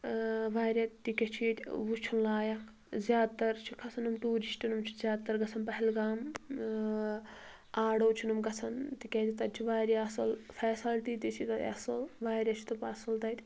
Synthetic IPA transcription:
ʋaːɾʲɐt̪ːikʲet͡ʃʰiːt̪ʲʋut͡ʃʰunlaːjɐk | zjaːd̪̚t̪ɐɾt͡ʃʰikʰɐsɐnɐmt̪uːɾiʃʈinumt͡ʃʰi̥zʲjaːd̪̚t̪ːɐɾɡɐsʰɐnpɐɦilɡaːm | aːɽoːt͡ʃʰinumɡɐsʰɐnt̪ikʲeːd͡ʒ̪it̪ɐt͡ʃʰiʋaːɾeɐsɐlfʰɛːsɐlt̪it̪it͡ʃʰit̪ɐɐ̰sɐlʋaːɾʲɐt͡ʃʰi̥t̪ɐpɐsɐlt̪ɐt̪ʲ

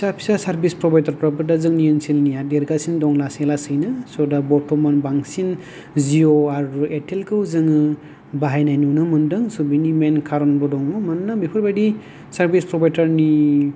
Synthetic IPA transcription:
pisapʰi̥sasaɾbispɾɔbajdaɾpɾabɯdazɯŋnijɯnsilniadeɾɡasindɔŋlaselasɯjnɯsɔdabɔtʰɔmanbaŋsin | zioaɾetʰelkʰɯwzɯŋɯ | baɦajnajnunɯmɯndɯŋsubinimenkʰaɾɔnbɔdɔŋɔmanːabipʰɯɾbajdi | saɾbispɾɔbajdaɾni

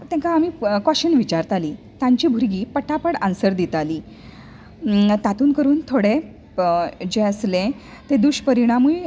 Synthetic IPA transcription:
t̪ɛ̃ŋkaːmiːkaɕənʋit͡ɕaɾt̪aliː | t̪ãɲt͡ɕiːbʱuɾɡiːpəʈʰapəɽansəɾd̪it̪aliː | t̪at̪uːnkəɾuːnt̪ʰoɽe | d͡ʑeəslẽ | t̪ed̪uɕpəɾiɽ̃amuj

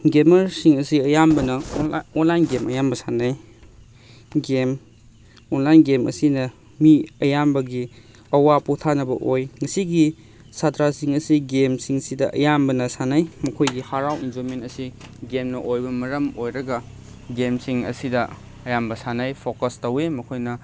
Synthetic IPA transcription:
ɡemɐɾsiŋɐsiɐjambɐnɐɔnlajnɡemɐjambɐsanaj | ɡem | onlajnɡemɐ̰sinɐ | miɐjambɐɡi | ɐwaputʰanɐbɐ̰ʔojŋɐsiɡi | sadɾasiŋɐsiɡemsiŋsidɐʔɐ̰jambɐnɐsanajmɐkʰojɡihaɾawḭnd͡ʒoɾmentɐsiɡemnɐʔojbɐmɐɾɐmojɾɐɡɐ | ɡemsiŋɐ̰sidɐ | ɐjambɐsanajpʰokɐstɐwemɐkʰojnɐ

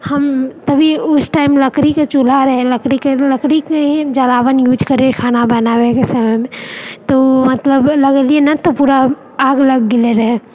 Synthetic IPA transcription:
həmt̪ɐbʱiʊsʈaɪmləkɾiket͡ʃul̤aɾəɦeləkɾikeləkɾikeid͡ʒəlaːʋənjuːd͡ʒkəɾekʰaːnabənaːʋekesəməjmẽt̪omɐt̪ləbləɡelienat̪opuːɾaː | ɡləɡːɪleɾəɦe

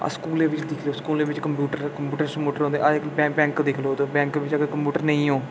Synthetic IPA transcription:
a̰skuːleːʋɪt͡ʃd̪ɪkʰloːskuːleːʋɪt͡ʃkəmpjuːʈəɾkəmpjuːʈəɾsəmpjuːʈəɾõːnd̪ḛʔabɛ̃bɛ̃ːŋkd̪ɪkʰloːt̪oːbɛ̃ːŋkːʋɪt͡ʃəɡekəmpjuːʈəɾnəĩːɦoː

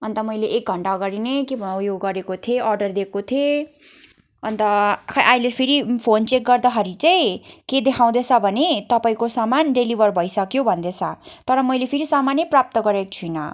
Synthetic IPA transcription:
ʌnt̪ʌmʌjleʔːk̚ɡʱʌɳʈaɡʌɾinekebʱʌjoɡːʌɾekot̪ʰeʔʌrɖʌrd̪ekot̪ʰie | ʌnt̪ʌajlepʰiɾipʰont͡sek̚ɡʌrd̪ʌɦʌɾit͡saĩked̪ekʰãw̃d̪et͡sʰʌbʱʌnet̪ʌpaĩkosamanɖelibʱʌrbʱʌjsʌkjobʱʌnd̪et͡sʰʌt̪ʌɾʌmʌjlepʰiɾisamanjʌprap̚t̪ʌɡʌɾek̚t͡sʰujnʌ̰

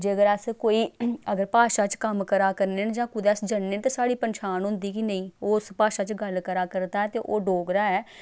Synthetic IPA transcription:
d͡ʒeːəɡəɾəskoːiːəɡəɾpaːʃaːt͡ʃkəmkəɾaːkəɾnend͡ʒãːkʊd̪ɛːsd͡ʒənːẽːt̪esaːɽiːpənʃʰaːnɦʊ̃nd̪iːkinəĩːoːspaːʃaːt͡ʃɡəlkəɾaːkəɾd̪aːɛːt̪eːʔoːɖoːɡɾaːɛː

